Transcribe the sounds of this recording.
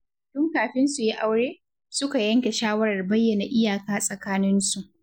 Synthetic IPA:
tʊ˦ŋkaː˨ɸɪ˦nsu˨ji˦ʔa˦wɽeː˦ | sʊ˦ka˨jɐ˦ŋkʲe˨ʃaː˦wɐ˦ɾɐ˨rbɐ˦jːɐ˨na˨ʔɪ˦jaː˨kaː˦sʼɐ˨kaː˦nɪ˦nsu˨ʔ

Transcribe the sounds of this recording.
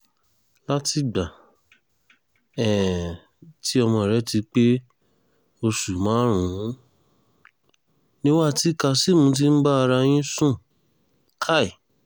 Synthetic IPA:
la˦ti˧˦ɡ͡ba˨ | ɛ˨ | ti˨˦ɔ˧mɔ̃˧˨ɾɛ˨˦ti˧˦k͡pe˦ | o˧su˨mã˨˦ɾ̃ũ˨˦ | nĩ˦wa˦˨ti˦ka˧si˦mũ˧˦t̬i˦n̩˦ɡ͡ba˦a˧ɾa˧j̃ĩ˦sũ˦˨ | kʰa˦i˨

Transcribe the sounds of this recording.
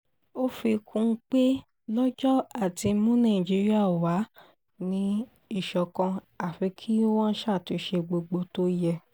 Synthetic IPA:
o˦fi˧kʰũ˧˦k͡pe˦ | lɔ˦d͡ʒɔ˦a˨ti˧˦mũ˦nã˦˨d͡ʒi˧˦ɾi˦a˦˨wa˨˦ | nĩ˧˦ | i˦˨ʃɔ˨kɔ̃˧ | a˨fi˨˧˦kʰi˦o˦w̃ɔ̃˦ʃa˦˨ti˨˧˦ʃe˧ɡ͡bo˧ɡ͡bo˧to˦jɛ˧

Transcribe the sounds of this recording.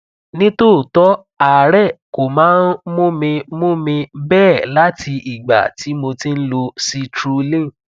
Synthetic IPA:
nĩ˦to˦˨tɔ˦ | aː˨ɾɛ˦˨ko˨mãː˨˦n̩˦mõ˦mĩ˧mõ˦mĩ˧bɛː˦˨la˦tʰi˧ʔi˨ɡ͡ba̰˨ti˨˦mo˧tĩ˦n̩˦lo˧si˧tɾu˧lĩ˦˨

